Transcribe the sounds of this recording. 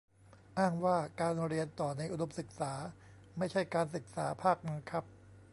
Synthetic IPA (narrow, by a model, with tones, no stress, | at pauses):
ʔaː˥˩ŋwaː˥˩kaː˧nɾi˧ənt̪ɔː˨˩na˧jʔu˧do˨˦p̚sɯ˨˩k̚saː˩˦ | ma˥˩jt͡ɕʰa˥˩jkaː˧nsɯ˨˩k̚saː˩˦pʰaː˥˩k̚na˧nkʰɾa˦˥p̚